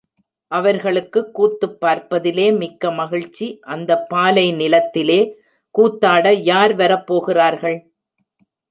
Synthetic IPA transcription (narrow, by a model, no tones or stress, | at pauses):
ʔɐʋɐɾɣɐɭɯkːɯkːuːt̪ːɯpːaːɾpɐðɪleːmɪkːɐmɐɣɪɻt͡ʃːiʔɐnd̪ɐpːaːlɐɪnɪlɐt̪ːɪleː | kuːt̪ːaːɽɐjaːɾʋɐɾɐpːoːɣɪraːɾɣɐɭ